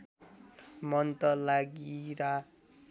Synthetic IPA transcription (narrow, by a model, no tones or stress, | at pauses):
mʌnt̪ʌlaɡiɾa